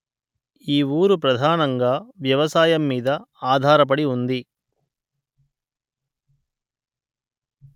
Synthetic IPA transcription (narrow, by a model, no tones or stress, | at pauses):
iːuːɾupɾɐd̪ʱaːnɐŋɡaːʋjɐʋɐsaːjɐmːiːd̪ɐaːd̪ʱaːɾɐp̬ɐɽiund̪i